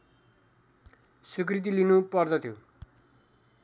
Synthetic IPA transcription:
suk̬rit̪̬ilinupʌrd̪ʌt̪ʰjo

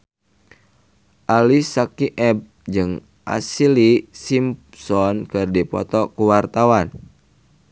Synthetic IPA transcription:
ʔalisakiʔɛb̚ | d͡ʒɨŋ | ʔa̰silisimpsɔnkɨrdipɔ̰t̪ɔkuwart̪awan

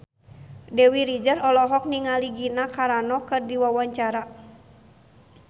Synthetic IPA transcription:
dɛwiɾid͡ʒarɔlɔɦɔk̚niŋaliɡinakaɾanɔkɨrdiwawaɲt͡ʃaɾa

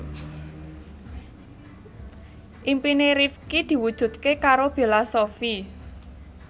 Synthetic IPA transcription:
ʔimpineɾifkid̪̥i̤wud̥ʒ̥ṳt̪̚kekaɾob̥e̤lasofi

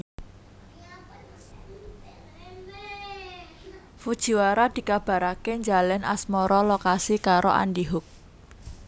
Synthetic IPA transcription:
fud̥ʒ̥i̤waɾad̪̥i̤kab̥a̤ɾakeɲd͡ʒalɛna̰smɔɾɔlokasikaɾoʔa̰ndiɦʊk̚

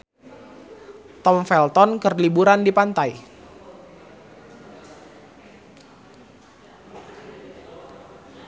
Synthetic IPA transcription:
t̪ɔmfɛlt̪ɔnkərlibuɾandipant̪aj

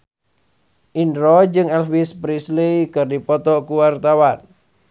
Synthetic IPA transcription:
ʔinɾɔd͡ʒɨŋɛlwispɾislikɨrdipɔt̪ɔkuwart̪awan

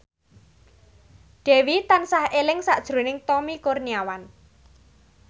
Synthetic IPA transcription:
ɖ̥e̤wit̪ansahelɪŋsaʔd̥ʒ̥ɾo̤nɪŋt̪ɔmikʊrniawan

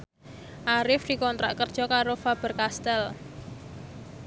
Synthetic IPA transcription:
ʔaɾɪfd̪̥i̤kɔnt̪ɾʔaʔkərd̥ʒ̥ɔ̤kaɾofab̥ə̤rkast̪ɛl

